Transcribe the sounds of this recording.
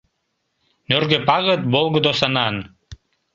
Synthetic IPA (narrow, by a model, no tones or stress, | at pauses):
nørɡøpɑɣət̪̚bolɣəd̪osɑnɑn